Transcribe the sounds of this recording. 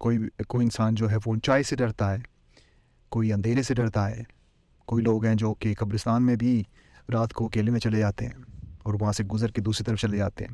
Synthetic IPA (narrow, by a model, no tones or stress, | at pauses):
koːikoːiɪnsaːnd͡ʒoːɦɛfoːnt͡ʃaːiseɖɐɾt̪aɦɛː | koːiɐ̃nd̪ʱeːɾeseɖɐɽt̪aɦɛː | koːiloːɡɦɛ̃d͡ʒoːkekɐbɾɪst̪aːnmẽbʱi | ɾaːt̪koɐkeːlemẽt͡ʃɐled͡ʒaːt̪eɦɛ̰̃ːɔːɾʋɐɦãseɡʊzəɾked̪uːsɾit̪ɐɾəft͡ʃɐled͡ʒaːt̪ḛɦɛ̰̃ː